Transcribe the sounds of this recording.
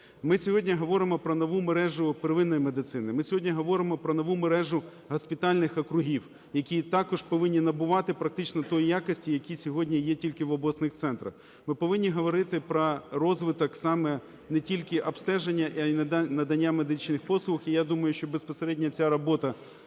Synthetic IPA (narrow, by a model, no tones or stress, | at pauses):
mɪsʲɔɦɔdʲnʲiɦɔʋɔɾɪmɔpɾɔnɔʋumeɾɛʒʊpɾɪʋɪnːɔjimed̪ɪt̪sɪn̪ɪmɪsʲɔɦɔdʲnʲiɦɔʋɔɾɪmɔpɾɔnɔʋumeɾɛʒʊ | ɦɐspʲit̪ɑlʲnɪxɔkɾʊɦʲiw | jɐkʲit̪ɑkɔʒ̥pɔʋɪnʲːinɐbʊʋɑt̪ɪpɾɐk̚t̪ɪt͡ʃnɔt̪ɔjijakɔsʲtʲijɐkʲisʲɔɦɔdʲnʲijɛtʲilʲkɪʋɔblˠɔsnɪxt̪sɛnt̪ɾɐ̰x | mɪpɔʋɪnʲːiɦɔʋɔɾɪt̪ɪpɾɔrɔzʋɪt̪ɔksɑmɛ | nɛtʲilʲkɪʔɐbst̪ɛʒenʲːɐʔnɐd̪ɐnʲːamed̪ɪt͡ʃnɪxpɔslˠʊʊxijad̪umɐjʊʃt͡ʃɔbespɔseɾɛdʲnʲɐt͡sʲaɾɔbɔt̪ɐ